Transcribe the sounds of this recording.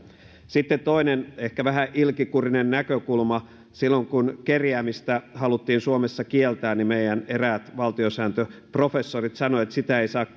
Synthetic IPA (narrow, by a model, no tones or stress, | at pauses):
sit̪ːet̪t̪o̞inenehkæʋæɦæʔilkikurinenːækøkulmɑ | silːoŋkunkerjæːmist̪æhɑlut̪ːiːnsuomesːɑkielt̪æːnimeijæneræːt̪ʋɑlt̪iosæːnt̪øpro̞fesːorit̪sɑnoet̪sit̪æeisɑːkː